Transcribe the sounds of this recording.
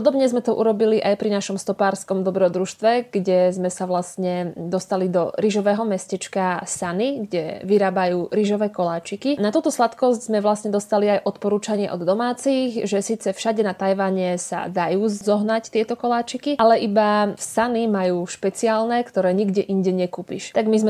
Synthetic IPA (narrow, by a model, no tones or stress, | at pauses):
ɔd̪ɔbɲɛzmɛt̪ɔʔṵɾɔbiliʔajpɾinaʃɔmst̪ɔpaːɾskɔmd̪ɔbɾɔd̪ɾuʃt̪ʋɛɡ̥ɟɛzmɛsaʋlasɲɛd̪ɔst̪alid̪ɔɾiʒɔʋɛːɦɔmɛscɛt͡ʃkasaniɡɟɛʋiɾaːbajuːɾiʒɔʋɛːkɔlaːt͡ʃikinat̪uːt̪ɔslat̪kɔsɟzmɛʋlasɲɛd̪ɔst̪aliajʔɔt̪pɔɾuːt͡ʃaɲɪɛʔɔd̪ːɔmaːt͡siɣʒɛsiːt͡sɛfʃaɟɛnat̪ajʋaɲɛsa̰d̪ajuːzɔɦnact̪ɪɛt̪ɔkɔlaːt͡ʃikiʔalɛʔibasanimajuːʃpɛt͡siaːlnɛkt̪ɔɾɛːɲiɡɟɛʔiɲɟɛɲɛkupiʃt̪aɡmizmɛ